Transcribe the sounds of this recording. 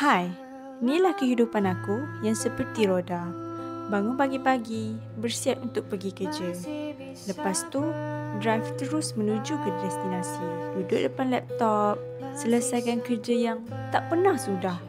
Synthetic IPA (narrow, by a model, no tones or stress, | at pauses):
haj | nĩlahkəɦidupanakujaŋsəpərt̪iɾodabaŋʊnbaɡipaɡi | bərsiap̚unt̪ʊk̚pəɡikəd͡ʒə | ləpast̪udɾajft̪əɾʊsmə̃nũd͡ʒukədɛst̪inãsidudʊʔ̚dəpanlɛp̚t̪ɔp̚ | sələsajkankərd͡ʒajaŋ | t̪aʔpərnãhsudah